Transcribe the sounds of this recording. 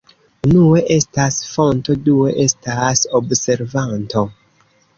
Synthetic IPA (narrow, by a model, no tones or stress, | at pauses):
nue̞ʔe̞stasfo̞nto̞due̞ʔe̞stasobse̞ɾvanto̞